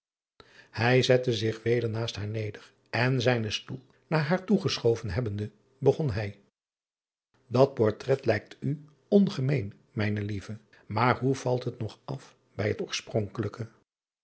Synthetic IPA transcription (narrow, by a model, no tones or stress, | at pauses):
hɛjzɛtəzɪχʋejdəɹnaːstɦaːɹnejdər | ɛnzɛjnəstulˠ | naːɹɦaːɹtuχəsχowvənɦɛbəndə | bəχɔnɦɛj | dɑt̚pɔɹtrɛtlɛjk̚ty | ɔnχəmejn | mɛjnəlivə | maːɹɦuv̥ɑlˠtɦətnɔχɑf | bɛjɦətɔːɹsprɔŋkələkə